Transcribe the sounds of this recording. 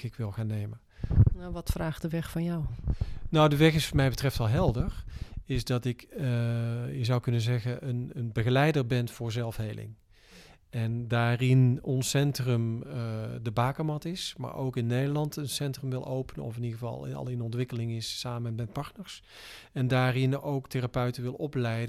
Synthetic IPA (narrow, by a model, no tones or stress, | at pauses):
ɪkʋɪlˠɣaːnejmə | naʋɑtfraːχtdəʋɛχfɑnjawnawdəʋɛχɪsfɔmɛjbətrɛftɑlˠɦɛlˠdəɹɪzdɑtɪk | jəzʌwkɵnənzɛɣəʔənənbəɣəlɛjdəɹbɛnv̥ʊːɹzɛlˠfɦejlɪ̰ŋ | ɛndaːrɪnɔnsɛntrəm | dəbaːkəmɑtɪsma̰ːɹo̰wkɪnːejdəɹlɑntənsɛntrəmʋɪlˠʔowpənə̰ɔ̰fɪniɣəvɑ̰lˠɑ̰lˠɪnɔntʋɪkəlɪŋɪsːaːmənmɛt̚pɑɹtnəɹs | ɛndaːrɪnowkteːrapœɥtəʋɪlˠɔplɛjdə